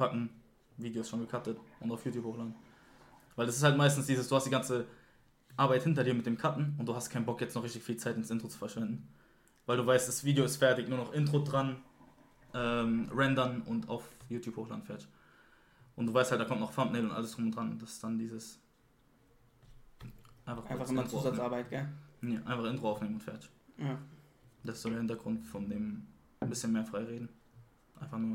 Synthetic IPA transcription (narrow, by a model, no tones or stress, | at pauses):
katn̩ | viːdejosʃoːnɡəkʰatətʔʊntaʊfjuːtjuːphoːxlaːdn | vaɪldasɪshaltmaɪstn̩sd̥iːzəsd̥uːhastd̥iːɡant͡sə | ʔaːɐbaɪthɪntɐdiːɐmɪt̚d̥eːmkʰatn̩ʊnt̚d̥uːhastkʰaɪnbɔkjɛt͡stnɔχʁɪçtɪçfiːlt͡saɪtɪnsʔɪntʁ̥ot͡su̥fɛɐʃv̥ɛndn̩ | vaɪlduːvaɪstd̥asv̥iːdejoɪstfɛɐtɪçnuːɐnɔχʔɪntʁ̥odʁan | ʔɛːmʁɛndɐnʔʊntʰa̰ʊfjuːtjuːphoːχla̰nfɛːɐt | ʔʊntd̥uːvaɪsthaltd̥aːkɔmtnɔχfamtneɪlʊntʔa̰ləsd̥ʁʊmʊntd̥ʁanʊnt̚d̥asɪ̥sd̥andiːzəs | ʔaɪnfaχɪfamnuzat͡saɐbaɪtɡ̥ɛneʔaɪnfaχʔɪntʁ̥oaʊneːməmʊntfɛːɐta | d̥asɪsd̥odeːhɪntɐɡʁʊntfɔndeːm | bɪsçənmeːɐfʁ̥aɪʁeːdn̩ | ʔaɪnfaχnuːɐ